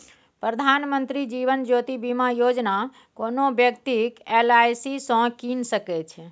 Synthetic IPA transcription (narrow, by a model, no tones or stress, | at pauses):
pɾəd̪ʱanmənt̪ɾid͡ʒiʋənd͡ʒot̪ibimajod͡ʒna | konobjəkt̪ikelajsisə̃kinsəkɛt͡ʃʰɛ